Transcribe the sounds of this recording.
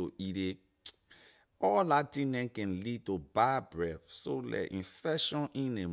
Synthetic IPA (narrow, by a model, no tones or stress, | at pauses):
oʔiɾe | ɔlatĩnɛ̃nkɛ̃nlitobabɹɛfsolɛ̰ʔḭ̃nfɛʃɔ̃nʔĩne